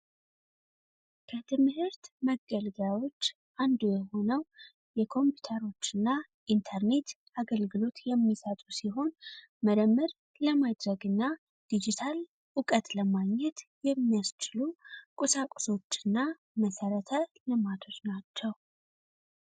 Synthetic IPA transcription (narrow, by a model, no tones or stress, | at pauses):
kʰət̪ʰɨmhɨɾt̪məɡəlɡawo̞t͡ʃː | ʔand̪ujɛho̞nəw | jɛkʰo̞mpʰjut̪ʰəɾo̞t͡ʃːɨnːa | ʔint̪ʰəɾne̞t̪ | aɡəlɡɨlo̞t̪jɛmːisət̪ʼusiɦo̞n | məɾəmːɨɾ | ləmad̪ɾəɡɨnːa | d̪̥id͡ʒit̪ʰal | ʔukʼət̪ləmaɡɲɛt̪jɛmːijast͡ʃɪlukʼusakʼso̞t͡ʃːɨnːa | məsəɾət̪ʰəlɨmat̪ʰo̞t͡ʃnat͡ʃːɛw